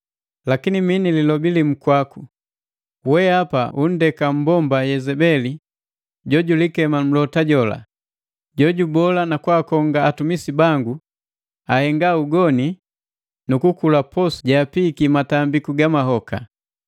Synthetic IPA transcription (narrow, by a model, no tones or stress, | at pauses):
lakiniminililɔbilim̩kwaku | wɛapaun̩dɛkam̩bɔmbajɛzɛbɛli | ɟɔɟulikɛmam̩lɔtaɟɔla̰ | ɟɔɟubɔlanakwaːkɔŋɡaːtumisibaŋɡu | ahɛŋɡauɡɔni | nukukulapɔsɟaːpikimatambikuɡamaɦɔka̰